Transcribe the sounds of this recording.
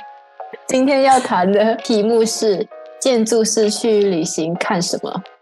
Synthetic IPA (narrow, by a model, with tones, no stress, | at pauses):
t͡ɕi˥nt̪ʰjɛ˥njɑ˥˩ʊt̪ʰa˧˥nd̪ə˧t̪ʰi˨˧˥mu˥˧ʂɻ̩˥˧t͡ɕjɛ˥˧nt͡su˥˧ʂɻ̩˥˧t͡ɕʰy˥˩ly˨˩ɕi˧˥ŋkʰa˥˩nʂə˧˥nmə̰˧